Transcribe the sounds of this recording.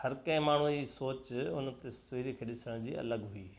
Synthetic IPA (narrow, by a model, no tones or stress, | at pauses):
hɐɾkɐ̃ɦɪ̃maːɳ̤ud͡ʑiːsoːt͡ɕʊnt̪esʋiːɾikʰeɗɪsəɽ̃d͡ʑiːʔɐ̰ləɡɦʊiː